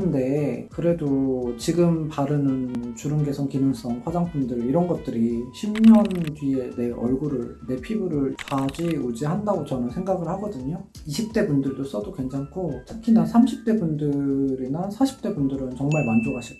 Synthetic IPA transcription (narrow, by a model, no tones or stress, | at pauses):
ɯnde̞kɯɾe̞dot͡ɕiɡɯmpaɾɯnɯnt͡ɕuɾɯnɡe̞sʰʌŋkinɯŋs͈ʌŋɸwad͡ʑaŋpʰundɯɭiɾʌnɡʌt̚t͈ɯɾiɕʰimɲʌntɥie̞ne̞ʔʌ̰ɭɡuɾɯɭne̞pʰibuɾɯɭt͡ɕad͡ʑiod͡ʑiɦandaɡot͡ɕʌnɯnsʰe̞ŋɡaɡɯɭhaɡʌdɯɲo | iɕʰip̚t͈e̞bundɯɭdos͈ʌdokwe̞ŋt͡ɕʰaŋkʰotʰɯkʰinasʰamɕʰip̚t͈e̞bundɯɾinasʰaɕʰi̥p̚t͈e̞bundɯɾɯnt͡ɕʌŋmaɭmand͡ʑoɡɦaɕʰi